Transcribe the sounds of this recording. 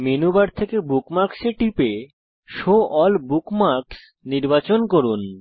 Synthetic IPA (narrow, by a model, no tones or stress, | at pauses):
menubaɾt̪ʰekebukmaɾkseʈipe | ʃoʔɔlbukmaɾks | niɾbat͡ɕonkoɾun